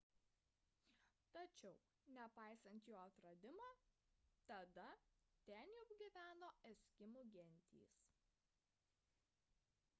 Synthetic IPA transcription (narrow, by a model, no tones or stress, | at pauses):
t̪ɐt͡ʃʲɛʊ | nʲɛpɑˑɪsɐnʲt̪joːɐt̪ɾɐd̪ʲɪmɑːt̪ɐd̪ɐt̪ʲɛnjɛʊɡʲɪʋʲæːnoːɛsʲkʲɪmuɡʲɛnʲt̪ʲḭːs